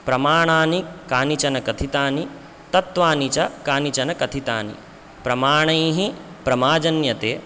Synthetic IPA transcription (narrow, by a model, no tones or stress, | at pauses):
pɾɐmaːɳaːnikaːnit͡ʃɐnɐkɐt̪ʰit̪aːni | t̪ɐt̪ʋaːnit͡ʃɐkaːnit͡ʃɐnɐkɐt̪ʰit̪a̰ːnḭ | pɾɐmaːɳɐjɦipɾɐmaːd͡ʒɐnjɐt̪eː